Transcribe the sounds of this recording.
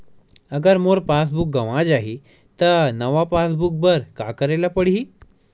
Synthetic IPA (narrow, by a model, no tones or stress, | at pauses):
əɡəɾmoɾpas̬buk̚ɡəʋãd͡zaɦi | t̪ənəʋapasbuk̚bəɾkakəɾajlapəɽɦiː